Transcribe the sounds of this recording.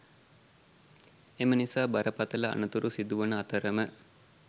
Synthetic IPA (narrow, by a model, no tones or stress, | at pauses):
emənisaːbaɾəpat̪əlɐa̰nət̪uɾusid̪uʋənəat̪əɾəmə